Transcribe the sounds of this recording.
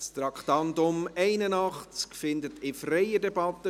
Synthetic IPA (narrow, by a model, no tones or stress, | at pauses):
st̪ɾɑkχt̪ɑntʊmɛɪnənɑχt͡skfɪndətɪfrɛjədɛbɑtːə